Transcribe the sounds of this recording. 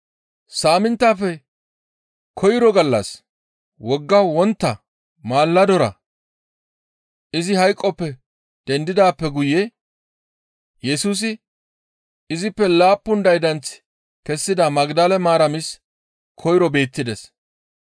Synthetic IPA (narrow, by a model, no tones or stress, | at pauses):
saːmɪnt̪ːaːfɛ | kʰɔjɪɾɔɡɐlːɐ̰s | wɔɡːɐwɔnt̪ːɐ | maːlːɐd̪ɔɾɐ̰ | ʔɪzɪhɐjkʼːɔpːɛ | d̪̥ɛnd̪ɪd̪aːpːɛɡʊjɛ | jɛsuːs̬ɪ | ɪzɪpːɛlaːpːʊnd̪ɐjd̪ɐnt͡s | kɛsːɪd̪ɐmɐɡd̪ɐlɛmaːɾɐmɪs | kʰɔjɾɔbe̞ːt̪ːɪd̪ɛs